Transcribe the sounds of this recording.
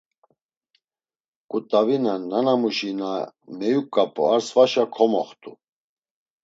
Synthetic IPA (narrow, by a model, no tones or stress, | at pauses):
kʼut̪ʼavinananamuʃinamɛjukʼːapʼuaɾsvaʃakʰɔmɔχt̪ʼu